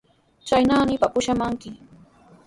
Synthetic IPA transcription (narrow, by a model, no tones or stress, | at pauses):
t͡ʃajnaːnɪpapʊʃamaŋkɪ